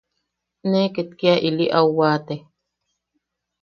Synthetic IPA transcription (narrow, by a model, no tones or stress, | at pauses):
neket̪kiaʔiliʔawwaːt̪e